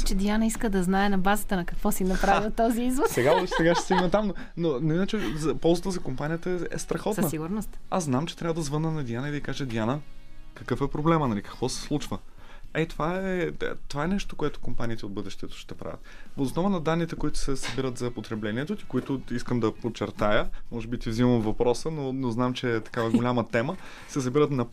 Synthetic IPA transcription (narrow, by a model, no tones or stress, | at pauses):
t͡ʃɛd̪ʲianɐiskəd̪ɐznaɛnɐbazət̪ənɐkɐkvɔsinɐpɾailˠt̪ɔziizvot̪sɛɡaod̪ʃɛɡaʃt̪ɛst̪iɡnɐt̪amno | nonoinət͡ʃɛzɐpɔlˠzət̪əzɐkompanijət̪əɛɛ̰st̪ɾɐxɔt̪snəsiɡʊɾnost̪asznamt͡ʃɛt̪ɾʲavəd̪ɐzvɤnənɐd̪ianəid̪ɐikaʒɛd̪ianəkəkɤfɛpɾoblɛmənɐlikɐ̥kvɔsɛ̥slˠut͡ʃvə | ɛt̪ovaɛ̰t̪ovaɛnɛʃt̪o̥koɛt̪ʊ̥kompanit̪ɛod̪bɤd̪ɛʃt̪ɛt̪o̥ʃt̪ɛpɾa̰vʲə̰t̪voːsnɔvənɐd̪anːit̪ɛkoit̪ʊ̥sɛsɐbiɾət̪zɐpot̪ɾɛblɛnʲiɛt̪ot̪i̥koit̪ʊiskəmd̪ɐpot͡ʃɛɾt̪ajəmɔʒɛbit̪ivziməmvɐpɾɔsənonoznamt͡ʃɛt̪ɐ̥kavɐɡolʲamət̪ɛmə | sɛsɐbiɾət̪nɐ